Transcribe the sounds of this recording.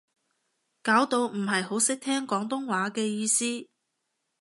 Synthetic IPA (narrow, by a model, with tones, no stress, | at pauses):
kaː˨˥wt̪o˧wm̩˨˩ɦɐ˨jɦo˨˥wsɪ˥k̚t̪ʰɛː˥ŋkɔː˨˥ŋt̪ʊ˥ŋwaː˨˥kɛː˧jiː˧siː˥